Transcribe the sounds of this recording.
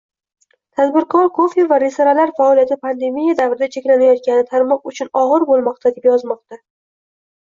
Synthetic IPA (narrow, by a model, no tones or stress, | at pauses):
t̪ʰad̪bɪɾqʰɒɾkʰofivaɾesaɾalaɾfaɒlijat̪ʰɪpʰand̪e̞mijad̪avɾɪd̪at͡ʃʰe̞kʲlanajɒt̪̚kʲanɪt̪ʰaɾmɒqʊt͡ʃʰʊnɒʁɨɾbolˠmɒqt̪ʰad̪epjɒzmɒq̚t̪a